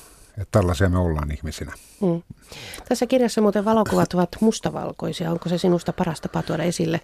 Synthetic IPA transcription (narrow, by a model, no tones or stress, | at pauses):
et̪t̪ælːɑsiɑmeolːɑ̰ːnihmisinæː | t̪æsːækirjɑsːɑmuːt̪eʋʋɑlokuʋɑt̪oʋɑt̪must̪ɑʋɑ̰lko̰isiɑoŋkosesinust̪ɑpɑrɑst̪ɑpɑt̪uodɑesilːe